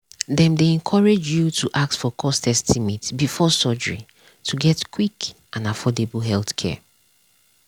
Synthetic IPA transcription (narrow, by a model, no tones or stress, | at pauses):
dɛ̃mdeɛ̃nkʰɔɹed͡ʒjutʰuʔak̚tfɔkʰɔstʰɛstʰimitbifɔsɔd͡ʒɹḭ | tʰuɡɛtkʰwik | ãnafɔdeblɦɛlθkʰɛ̰